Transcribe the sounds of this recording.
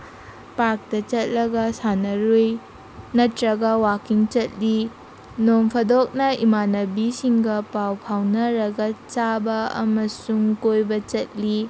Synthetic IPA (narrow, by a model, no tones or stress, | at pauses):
paɾk̚tɐt͡ʃɐt̚lɐɡɐsanɐɾoj | nɐtɾɐɡɐwakiŋt͡ʃɐt̚li | nompʰɐdok̚nɐimanɐbisiŋɡɐpawpʰawnɐɾɐɡɐt͡ʃabɐɐ̰mɐsuŋkojbɐt͡ʃɐt̚li